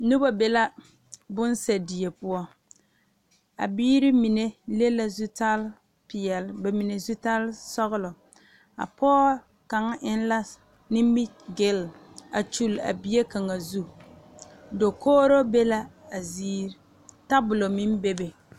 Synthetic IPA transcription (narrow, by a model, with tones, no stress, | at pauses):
nʊ˦ba˦be˦la˦ | bʊ˦nsɛ˨di˨e˨pʊ˦ɔ˦ | a̰˨biː˦ɾɪ˦mi˨ne˦le˦la˦zu˦ta˦l | pi˨jɛ˨lbɛ˨mi˨ne˨zu˦ta˦lsɔ˦ɣʊ˦lɔ˨ | a̰˨pʰɔː˦ | ka˨ŋ˦ʔɪ˦n˦la˦ | nɪ˦mi˦ | ɡɪ˦la̰˨t͡ʃu˦˨la̰˨bi˦e˦ka˨ŋa˨zu˦ | do˨koː˦ɾo˦be˦la˦a˨ziː˦ɾ | ta˦bʊ˨lo˨mi˦m˦be˦be˨